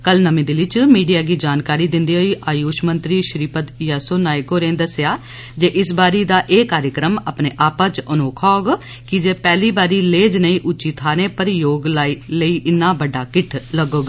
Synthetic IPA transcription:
kəlnəmĩːd̪ɪlɪt͡ʃmiːɖijaːɡiːd͡ʒaːnkaːɾiːd̪ɪnd̪iːɦoːiːʔaːjuːʃmənt̪ɾiːʃɾiːpət̪jɛːsoːnaːjkoːɾẽːnd̪əsjaː | d͡ʒeːʔɪsbaːɾiːd̪aːʔeːkaːɾjəkɾəmaːpneːʔaːpãːt͡ʃənoːkʰɔːɡ | kɪd͡ʒeːpɛːliːbaːɾiːleːd͡ʒnəĩːʔʊt͡ʃiːt̪ʰaːɾẽːpəɾjoːɡlailəiːʔɪnːãːbəɖaːkɪʈʰləɡoːɡ

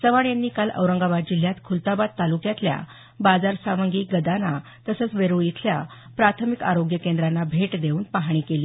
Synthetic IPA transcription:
səʋaɽjanːiːkalə̰wɾəŋɡabad̪̚d͡ʑil̤jat̪kʰult̪abad̪̚t̪alukjat̪lja̰ | bad͡zaɾsaməŋɡiːɡəd̪ana | t̪əsət͡sʋeɾujit̪ʰlja̰ | pɾat̪ʰəmikaɾoɡjəkend̪ɾanːabʱeʈd̪euːnpaɦiːkeliː

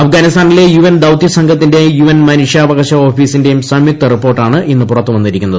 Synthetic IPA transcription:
ɐfɡaːnist̪ʰaːnile̞juʋɐnd̪ɐwt̪jɐsɐŋɡʱɐt̪ːinde̞juʋɐnmɐnuʂjɐːʋɐɣɐɕɐo̞ːfiːsinde̞jumsɐmik̚t̪ːɐripːo̞ːrʈːaːɳɨinːɨpurɐt̪ːɨʋɐnːiɾikʲːunːɐðɨ

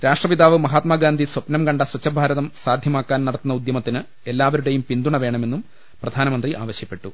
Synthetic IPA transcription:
ɾaːʂʈrɐʋid̪aːʋɨmɐɦaːt̪maːɡaːnd̪ʱiswɐpnɐmkɐɳɖɐswɐt͡ɕːɐbʱaːɾɐðɐmsaːd̪ʱjɐmaːkːaːnnɐɽɐt̪ːunːɐud̪jɐmɐt̪ːinɨ | e̞lːaːʋɐɾuɽe̞jumpind̪uɳɐʋe̞ːɳɐme̞nːum | prɐd̪ʱaːnɐmɐnd̪riʔa̰ːʋɐɕjɐpːe̞ʈːu

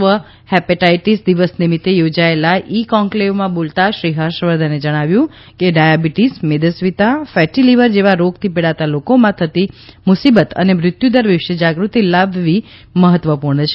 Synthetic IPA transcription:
ʋə | hɛpeʈaiʈisd̪iʋəsnimit̪ːejod͡ʒaelaʔikɔ̃ŋkleʋmãbolt̪aʃɾiɦəɾʃʋəɾd̪ʱaned͡ʒəɽ̃aʋjũ | keɖajabiʈismed̪əsʋit̪afɛʈiliʋəɾd͡ʒeʋaɾoɡt̪ʰipeɽat̪alokomãt̪ʰət̪imʊsibət̪ə̰nemɾɪt̪jud̪əɾʋɪʃjəd͡ʒaɡɾut̪ilabːi | məɦət̪ʋəpuɾɳət͡ʃʰe

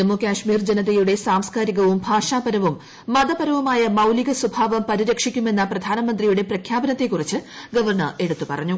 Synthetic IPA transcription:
emːokʲaːʂmiːrd͡ʑenɐðɐjuɽe̞saːmskaːɾiɣɐʋumbʱaːʂaːbɐɾɐʋumː | ɐd̪ɐbɐɾɐʋumaːjɐmɐwliɣɐswubʱaːʋɐmpɐɾiɾɐkʂikʲːume̞nːɐprɐd̪ʱaːnɐmɐnd̪rijuɽe̞prɐkʰjaːbɐnɐt̪ːe̞kːurit͡ɕːɨɡɐʋɐrɳɐre̞ɽut̪ːupɐ̰rɐɲːu

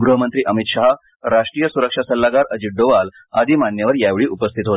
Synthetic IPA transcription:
ɡɾuɦəmənt̪ɾiːʔəmit̪ɕaɦa | ɾaʂʈɾijəsuɾəkʂasəlːaɡaɾəd͡ʑiʈ̚ɖoʋal | a̰d̪iːmaɳːjəʋəɾjaʋɭiːʔupəst̪ʰit̪ɦot̪

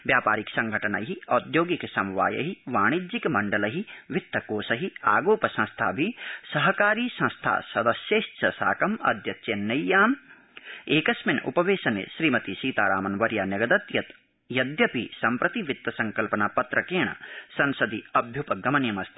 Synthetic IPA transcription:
ʋjaːpaːɾiksɐ̃ŋɡʱɐʈɐnɐ̰ɦiɐːd̪joːɡiksɐmʋa̰ːjɐ̰ɦiʋaːɽ̃id͡ʒikmɐɳɖɐlɐɦiʋɪt̪ːɐkoːsɐɦia̰ːɡoːpɐsɐ̃nst̪ʰa̰ːbʱisɐɦɐkaːɾiːsɐ̃nst̪ʰa̰ːsɐd̪ɐsjet͡ʃʰɐsa̰ːkɐmɐ̰d̪ʱjɐt̪t͡ʃeːnːɐjaːm | eːkɐsmɐnʔṵpɐʋeːʃɐnḛʃɾiːmɐt̪isiːt̪aːɾaːmɐnʋɐɾjaːnjɐɡɐd̪ɐt̪jɐt̪ | jɐd̪jɐpisɐmpɾɐt̪iʋɪt̪ːɐsɐ̃ŋkɐlpɐnaːpɐt̪ɾɐkeːɳɐ̰sɐ̃nsɐd̪iɐbʱjupɐɡɐmɐnjɐmɐst̪ʰi̥

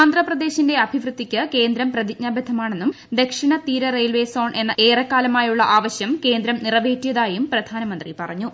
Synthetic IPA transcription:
aːnd̪rɐprɐd̪e̞ːɕinde̞ɐbʱiʋrɨt̪ːikʲːɨke̞ːnd̪ɾɐmprɐðicɲaːbɐd̪ʱːɐmaːɳe̞nːum | d̪e̞kʂiɳɐt̪iːɾɐrejlʋe̞ːso̞ːɳʔe̞nːɐʔe̞ːrɐkːaːlɐmaːjuɭːɐʔaːʋɐɕjɐmke̞ːnd̪ɾɐmnirɐʋe̞ːtːijɐðaːjumprɐd̪ʱaːnɐmɐnd̪ripɐrɐɲːu

